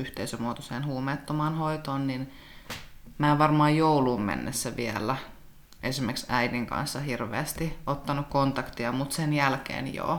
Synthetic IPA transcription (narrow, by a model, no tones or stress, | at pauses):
yht̪eisømuoːt̪oseːnhuːmeːt̪ːomɑːnhoit̪oːnnin | mæːʋɑrmɑːjjouluːmmḛnːesːæʋiælːˑæ | ʔesimːeksæidiŋkɑ̰nsːɑhirʋḛæst̪iot̪ːɑnukkont̪ɑkt̪iɑmut̪senjælkḛːnjo̰ː